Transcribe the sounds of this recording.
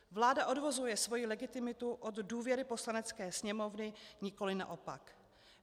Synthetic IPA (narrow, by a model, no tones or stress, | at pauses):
vlaːdaʔo̞dvo̞zujɛsvo̞jilɛɡɪt̪ɪmɪt̪uʔod̪duːvjɛɾɪpo̞slanɛt͡skɛːsɲɛmo̞vnɪɲɪko̞lɪna̰ʔo̞pa̰k